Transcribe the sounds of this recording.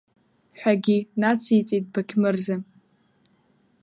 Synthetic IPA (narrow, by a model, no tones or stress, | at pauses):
ħʷᶣaɡʲinat͡sʰit͡sʼit̚bakʲʰmɨrza